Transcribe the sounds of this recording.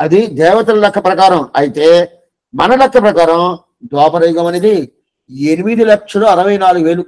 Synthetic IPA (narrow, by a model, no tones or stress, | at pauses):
ɐd̪id̪ɛːʋɐt̪ɐlɐlɐkːɐpɾɐkaːɾɐmɐjit̪e̞ː | mɐnɐlɐkʂɐpɾɐkaːɾɐm | d̪ɔːpɐɾɐjɡɐmɐneːd̪i | enimid̪ilɐkʂɐloːɐɾɐʋɐjnaːluɡuʋeːlu